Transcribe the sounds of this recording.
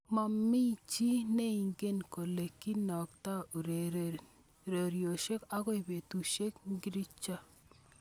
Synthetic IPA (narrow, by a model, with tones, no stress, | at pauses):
ma˨mːi˦t͡ʃi˦ne˦i˨ŋɡe˦nko˨le˨kːi˦nɔ˨kta˦u˨ɾe˨ | ɾe˨ɾjo˨ʃe˦ka˦ɣɔ˦i˨be˨tu˨ʃe˦kŋɡi˦ɾi˦t͡ʃa˦